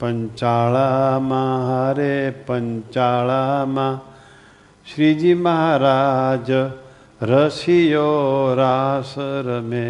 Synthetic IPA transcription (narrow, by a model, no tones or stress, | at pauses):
pɐɲt͡ʃaːɭamaɦaɾepɐɲt͡ʃaːɭama | ʃɾid͡ʒimɐɦaɾaːd͡ʒə | ɾəsijoɾaːsəɾɐme